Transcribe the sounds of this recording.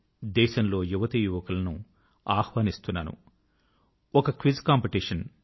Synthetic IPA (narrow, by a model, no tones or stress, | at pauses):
d̪ɛːʃɐmlo̞ːjuʋɐt̪ijuʋɐkɐlɐnu | aːhʋaːnist̪unːa̰ːnṵ | ɔkɐkʋizkaːmpiʈiʂɐn